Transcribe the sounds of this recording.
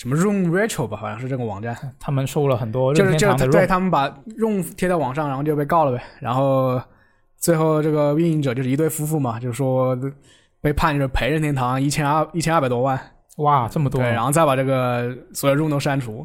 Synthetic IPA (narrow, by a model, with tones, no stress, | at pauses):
ʂə˧˥mə˧ɻʊ˥˩ŋɹɛ˥ʈ͡ʂʰo˥˩ʊbɐ˩fɑ˥ŋʂɻ̩˥˧ʈ͡ʂɤ˥˩ɡə˩wɑ̰˨˩ŋʈ͡ʂa˥˩nt̪ʰa˥mə˨nʂo˥˧lə˩xə˨˩nt̪wɔ˥ɻo˥ʊɻ̩˥jjŋ˥t̪we˥˩ɪt̪ʰa˥mə˨npa˨˩ɻʊ˥˧ŋt̪ʰjɛ˥t͡sa˥˩wɑ˨˩ŋʂɑ˥˩ŋɻxo˥˧t͡ɕjo˥˧pe˥˧ɪkɑ˥˩ʊlə˩be˨˩ɻa̰˧˥nxo˥˧ʊ | t͡swe˥˧ɪxo˥˧ʊʈ͡ʂɤ˥˩ɡə˩wi˥˧i˥˩ʈ͡ʂɤ˨˩t͡ɕjʊʂɻt̪we˥˩ɪfu˥fu˥˩mɐ˩t͡ɕjo˥˧ʂɻ̩˥˩ʂwɔ˥ | pe˥˧ɪpʰa˥˧nt͡ɕjo˥˧ʂɻ̩˥˩pʰe˧˥ɪɻə˥˧nt̪ʰjɛ˥nt̪ʰɑ˧˥ŋi˥˩t͡ɕʰjɛ˥n˥˧i˥˩t͡ɕʰjɛ˥n˥˩pa˨˩ɪt̪wɔ˥wa˥˩n | wa˥˩ʈ͡ʂə˥˩mə˩t̪wɔ˥we˩a˧˥nxt͡sa˥˩pa˨˩ʈ͡ʂɤ˥˩ɡə˩swɔ˧˥jo˨ʊɻʊ˥˧ŋt̪o˥ʊʂa˥nʈ͡ʂʰu˧˥